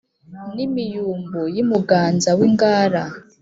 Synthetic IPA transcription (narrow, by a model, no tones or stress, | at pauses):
nimijuːmbojimuɡaːnzawiŋɡaːɾa